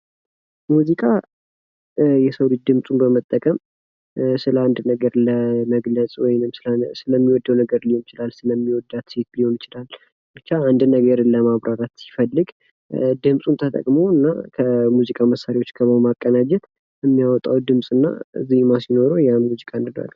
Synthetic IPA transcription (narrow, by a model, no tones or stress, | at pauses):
muzikʼa | jɛsəwlit͡ʃd̪ɨmsʼunbəmət̪ʼːəkʼəm | sɨləand̪nəɡəɾləməɡləsʼwɔjnɨmsɨsɨləmːiwɔd̪ːəwnəɡəɾlihonɪt͡ʃɪlalsɨləmːiwɔd̪ːat̪set̪liho̞nt͡ʃɪlal | bɨt͡ʃːaand̪nəɡəɾləmaβɾʔaɾat̪si̥fəlːɨɡ | d̪ɨmsʼunt̪ʰət̪ʼə̰kʼmoɨnːa̰kʰəmuzikʼaməsːaɾewot͡ʃːkʰəβmakʼːənad͡ʒɛt̪ | ɛmːijawɔt̪ʼːawd̪ɨmsʼɨnːa̰ɨ̰zːihmasino̞ɾojamuzikʼaɨnd̪ɨna̰l